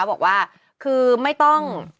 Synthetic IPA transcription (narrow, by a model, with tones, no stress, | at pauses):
wbɔː˨˩k̚waː˥˩ | kʰɯː˧ma˥˩jt̪ɔ˥˩ŋ